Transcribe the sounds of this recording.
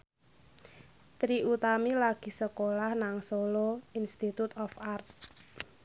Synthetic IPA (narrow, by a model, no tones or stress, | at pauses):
t̪ɾiʔut̪amilaɡ̥i̤səkolahnaŋsoloinst̪it̪ut̪ɔfart̪̚